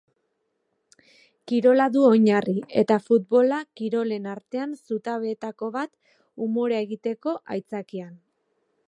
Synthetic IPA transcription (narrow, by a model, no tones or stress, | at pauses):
kiɾo̞laðuo̞ɲarie̞̰t̪afut̪̚bo̞lakiɾo̞le̞naɾt̪e̞ansut̪aβe̞ːt̪ako̞βat̪ | umo̞ɾeaeɣit̪e̞ko̞ʔa̰jt͡sakian